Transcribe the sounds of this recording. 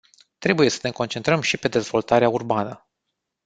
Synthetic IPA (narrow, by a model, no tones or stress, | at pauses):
t̪ɾe̞buje̞sə̥ne̞ko̞nt͡ʃe̞nt̪ɾəmʃipe̞d̪e̞zvo̞lt̪aɾeaurbanə